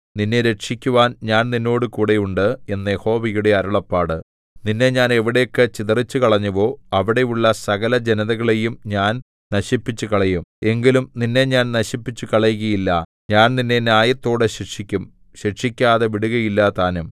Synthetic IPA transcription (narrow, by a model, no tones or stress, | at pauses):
ninːeɾe̞ʈʂikʲːuʋaːnɲaːnninːo̞ːɽɨkuːɽɐjuɳɖɨe̞nːɐje̞ho̞ːʋɐjuɽe̞ɐɾuɭɐpːaːɽɨ | ninːe̞ɲaːne̞ʋiɽe̞jokːet͡ɕiðɐrit͡ɕːukɐɭɐɲːuʋo̞ːɐʋiɽe̞juɭːɐsɐɣɐlɐd͡ʑe̞nɐðɐɣɐɭe̞jumɲaːn | nɐɕipːit͡ɕːukɐɭɐjume̞ŋɡilumninːe̞ɲaːnnɐɕipːit͡ɕːukɐɭɐjuɣɐjilːɐ | ɲaːnninːe̞njaːjɐt̪ːo̞ːɽeɕiʈʂikʲːum | ɕiʈʂikʲːaːðeʋiɽuɣɐjilːɐt̪aːnum